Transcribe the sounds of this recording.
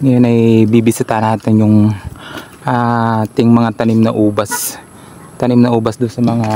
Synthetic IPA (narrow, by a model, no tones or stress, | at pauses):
ŋɐjonɐjbibɪsɪt̪anaːt̪ɪnjʊŋ | ʔat̪ɪŋmɐŋat̪ɐnɪmnɐʔuːbɐs | t̪ɐnɪmnɐʔuːbɐsd̪ʊnsɐmɐŋa